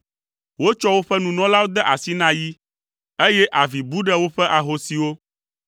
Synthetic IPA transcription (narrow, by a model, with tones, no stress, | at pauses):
wo˦t͡ʃɔ˦wo˦ɸɛ˦nũ˨nɔ̃˦la˦wo˦d̪ɛ˦ʔa˨si˦nã˦ji˦ | e˦jɛ˦ʔa˨vi˨bu˦ɖɛ˦wo˦ɸɛ˦ʔa˨ɦo˨si˨wo˦